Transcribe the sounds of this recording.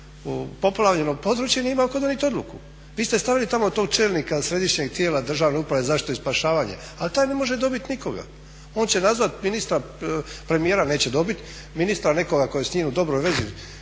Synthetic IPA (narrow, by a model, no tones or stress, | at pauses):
po̞plˠaʋʎenopo̞d̪ɾut͡ɕjenieimakod̪onit̪o̞d̪lṵkṵ | ʋiːst̪e̞st̪aʋilit̪amo̞t̪oɡ̚t͡ʃe̞ːlnikasɾe̞d̪iʃɲe̞ɡt̪jeːlad̪r̩ʒaːʋneupɾaʋe̞zaʃt̪oispaʃaːʋaːɲḛ | alt̪aːjne̞mo̞ʒed̪o̞bit̪niko̞ɡa̰ | o̞ːnt͡ɕe̞nazʋat̪minist̪ɾa | pɾe̞mijeːɾane̞ːt͡ɕe̞d̪o̞bit̪ | minist̪ɾane̞ko̞ɡako̞jesɲiːnud̪o̞bɾo̞jʋe̞zi